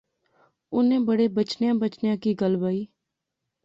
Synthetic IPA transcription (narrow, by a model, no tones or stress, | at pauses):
ʊnẽːbəɽeːbət͡ʃnjãːbət͡ʃnjãːkiɡəlbaːiː